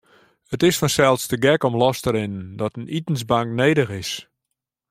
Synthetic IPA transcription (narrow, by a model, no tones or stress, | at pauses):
ətɪsfɔnsɛlˠtsdəɡɛkɔmlɔstəɾɪnəndɔtənitən̩sbaŋkneːdəxɪs